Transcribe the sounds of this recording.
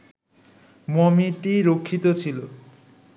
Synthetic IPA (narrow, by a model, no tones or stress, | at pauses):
mɔmiʈiɾokʰːit̪ot͡ɕʰilo